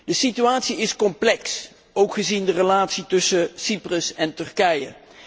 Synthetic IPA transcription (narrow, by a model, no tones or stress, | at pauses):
dəsityaːtsiɪskɔmplɛks | owkχəzindərəlaːtsitɵsəsiprəsɛntɵrkɛjə